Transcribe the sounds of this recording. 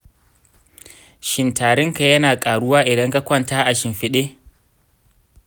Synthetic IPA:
ʃɪ˨ntʰaː˨ɾɪ˦ŋka˨jɐ˦naː˨kʼaː˨ɽʊ˦waː˦ʔɪ˨dɐ˦ŋka˦kʷɔ˦˨ntaː˦ʔa˨ʃɪ˨mɸɪ˦ɗeː˦

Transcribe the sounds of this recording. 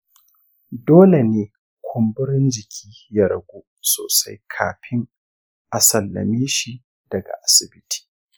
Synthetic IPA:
doː˦le˨neː˨ | kʷʰʊ˨mbɪ˦ɾɪ˦nd͡ʒɪ˨kʲʰiː˦ | ja˦˨ɾɐ˨ɡʷoː˦ | so̰ː˨sa˦jkʰa̰ː˨ɸʰɪ˦ŋ | ʔa˨sɐ˨lːɐ̰˨meː˦ʃi˦ | d̥ɐ˨ɡa̰˨ʔa˨sɪ˨bɪ˦tʰi̥ː˨

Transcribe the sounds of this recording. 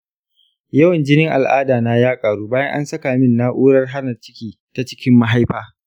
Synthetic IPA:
jɐ˦wɐ˨nd͡ʒɪ˦nɪ˦ŋʔa̰˨lʔa̰ː˦daː˨naː˦jaː˦kʼaː˨ɽuː˦baː˦jɐ˦ŋʔa̰˦nsɐ˦kaː˨mɪ˦nːa˦ʔuː˦ɽɐ˦rɦa˦nɐ˨t͡ʃɪ̥˦kʲiː˨ta˦t͡ʃɪ̥˦kʲɪ˦mːa˦ɦa˦jɸaː˦

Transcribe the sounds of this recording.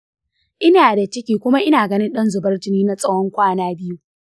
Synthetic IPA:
ʔɪ˦naː˨da˨t͡ʃɪ˦kʲiː˦kʷʊ˦ma˦ʔɪ˦naː˨ɡɐ˦nɪ˦nɗɐ˦nzʊ˨bɐ˦rd͡ʒɪ˨niː˦na˦sʼɐ˦wɔ˦ŋkʷaː˦˨naː˦bɪ˦ju˦

